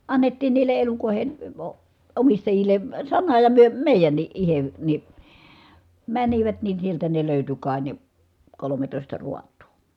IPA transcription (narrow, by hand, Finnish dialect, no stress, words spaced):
ɑnːetːiːn niːlˑe elukoˑi̯hen̞ ə o omistɑjilˑe sɑnɑ jɑ myø meˑi̯jænːiʔ ʔihe ni mæniʋæt nin̞ sieltæ ne løˑyty kɑˑi ne kolometoˑistɑ ruɑtˑu̥ː